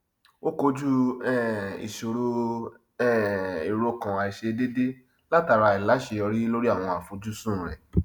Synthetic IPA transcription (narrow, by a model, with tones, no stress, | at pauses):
o˦ko˧d͡ʒu˦ɛ˦˨ḭ˨ʃo˨ɾo˧ | ɛ˦˨e˨ɾo˧kã˨a˨i˨ʃe˧de˦de˦ | la˦ta˨˧ɾa˧i˨la˨˦ʃe˧ɔ˧ɾi˦lo˦ɾi˦a˦˨w̃ɔ̃˧a˨fo˨˦d͡ʒu˦sũ˦˨ɾɛ̰˨